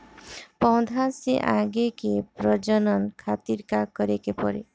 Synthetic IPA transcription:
pɔw̃d̪ʱaseʔãɡekepɾɔd͡ʒɔnɔnkʰat̪iɾkakɔɾekepɔ̰ɾḛ

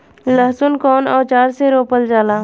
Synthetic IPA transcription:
ləɦsʊnkɔːnɔːɾt͡ʃaːɾseɾoːpəld͡ʒaːlaː

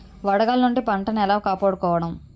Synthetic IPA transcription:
ʋɐɽɐɡaːlnuɳʈipɐɳʈɐnɐɛlaːkaːpaːɽukɔːʋɐɽɐm

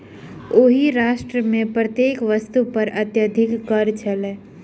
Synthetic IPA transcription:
oɦiɾaːʃʈɾəmẽpɾət̪jeːkʋəst̪upəɾət̪jəd̪ʱɪkːəɾt͡ʃʰəle

